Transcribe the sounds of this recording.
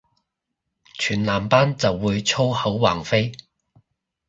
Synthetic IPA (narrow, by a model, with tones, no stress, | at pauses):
t͡ʃʰyː˨˩nlaː˨˩mpaː˥nt͡sɐ˨wːuː˨˧jt͡sʰo˥whɐ˨˥wwa̰ː˨˩ŋfe˥j